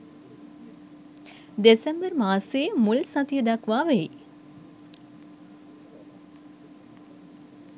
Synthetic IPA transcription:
d̪esembəɾmaːsemulsat̪ijəd̪akʋaːʋei

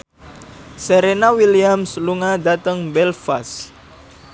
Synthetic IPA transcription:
seɾenawiliamsluŋad̪at̪əŋbɛlfas

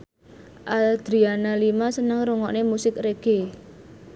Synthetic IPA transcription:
ʔad̪̥ɾianalimasənəŋɾuŋɔʔnemusɪkreɡ̥e

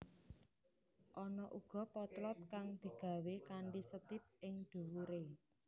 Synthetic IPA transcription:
ʔɔnɔʔuɡ̥ɔ̤pɔt̪lɔt̪̚kaŋd̪̥i̤ɡ̥a̤wekaɳɖisət̪ɪp̚ɪŋd̪̥ṳwuɾe

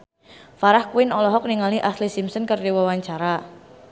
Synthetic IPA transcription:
faɾahkuɪnɔlɔɦɔk̚niŋaliʔaslisimsənkərdiwawaɲt͡ʃaɾa

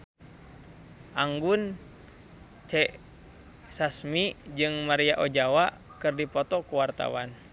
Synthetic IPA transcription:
ʔaŋɡun | t͡ʃɛʔ | sasmid͡ʒɨŋmaɾiaʔɔd͡ʒawaʔ | kɨrdipɔt̪ɔkuwart̪a̰wa̰n

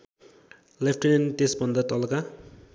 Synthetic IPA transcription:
lepʰʈnenʈesbʌnd̪ʌt̪ʌlka

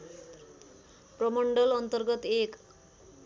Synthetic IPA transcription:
prʌmʌɳɖʌlʌnt̪ʌrɡʌt̪ek

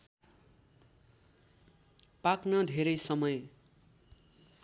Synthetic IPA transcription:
paknʌd̪ʱeɾʌjsʌmʌj

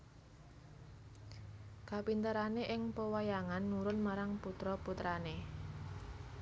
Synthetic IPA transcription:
kapint̪əɾaneʔɪŋpəwajaŋanːuɾʊnmaɾaŋput̪ɾɔput̪ɾane

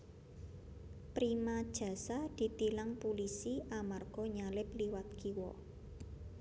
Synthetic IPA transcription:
pɾimad̥ʒ̥ä̤sad̪̥i̤t̪ilaŋpulisiʔamarɡ̥ɔ̤ɲalɪpliwat̪̚kiwɔ

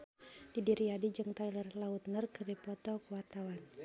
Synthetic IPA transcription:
d̥idiɾiadid͡ʒɨŋt̪ajlərlaut̪ŋərkəbɛpɔt̪ɔkəwart̪awan

